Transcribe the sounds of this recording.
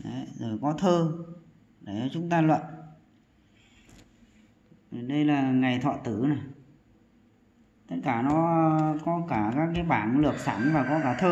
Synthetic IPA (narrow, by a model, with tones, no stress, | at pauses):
ɗə˨˦zo˨˩jkɔ˨˦t̪ʰəː˧ | ɗe˧˩t͡ɕɔ˧˦t͡ɕʊ˨˦ŋ͡mt̪aː˧lwə̰˧˨n˨˩ | ɗə˧jlaː˨˩ŋa˨˩jt̪ʰɔ̰˧˨t̪ɨ˧˩na˨˩j | t̪ə˦˥t̚kaː˧˩nɔ˨˦kɔ˨˦kaː˧˩kaː˦˥kːaː˨˦jɓaː˧˩nlɨ˨˩ək̚saː˧˩nvaː˨˩kɔ˨˦kaː˧˩t̪ʰəː˧